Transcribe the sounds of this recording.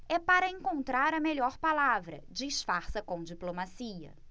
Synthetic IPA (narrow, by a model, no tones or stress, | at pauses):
ɛpaɾɐẽkõnt̪ɾaɾɐmeʎɔɾpalavɾɐ̰d͡ʒɪːʃfaɾsɐkõw̃d͡ʒiplomasiɐ̰